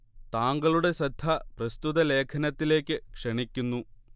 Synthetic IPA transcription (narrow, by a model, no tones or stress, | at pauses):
t̪aːŋɡɐɭuɽe̞sɐd̪ʱːɐprɐst̪uðɐle̞ːkʰɐnɐt̪ːile̞ːkʲːɨkʂɐɳikʲːunːu